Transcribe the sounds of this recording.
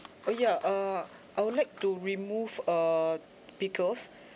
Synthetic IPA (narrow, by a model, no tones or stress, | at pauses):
ojaʔa | ʔajwudlaɪk̚tuɹimufə | pikəs